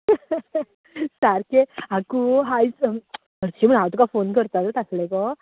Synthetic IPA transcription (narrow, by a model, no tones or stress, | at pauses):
saɾkeakuɦais | əɾt͡ɕim̤əɳɦawt̪ukafonkəɾt̪at̪t̪aslekɔ